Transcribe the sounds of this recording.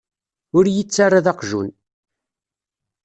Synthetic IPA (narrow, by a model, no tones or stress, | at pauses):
ʊɾjət͡sːarˤːaðɑqʒṵn